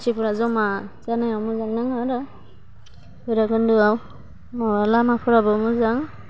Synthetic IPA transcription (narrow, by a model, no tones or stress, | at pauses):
sʰipʰɔɾazɔmazanajawmuzaŋnɯŋaɾa | bɯjɾaɡɯndɯaw | awalamapʰɔɾabɔmuzaŋ